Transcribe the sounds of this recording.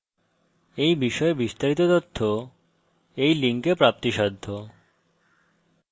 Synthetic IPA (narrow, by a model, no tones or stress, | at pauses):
ejbiʃɔebist̪aɾit̪ot̪ot̪ʰːo | ejliŋkepɾap̚t̪iʃad̪ʱːo